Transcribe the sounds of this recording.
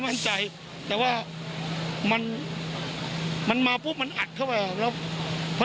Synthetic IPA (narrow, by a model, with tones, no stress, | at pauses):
ma˥˩nt͡ɕa˧j | t̪ɛː˨˩waː˥˩ | ma˧n | ma˧nmaː˧pʰuː˧˥˩ma˧nʔa˨˩t̪̚ʰːa˥˩wɾa˧˩jlɛː˦˥˩wpʰɔ˦˥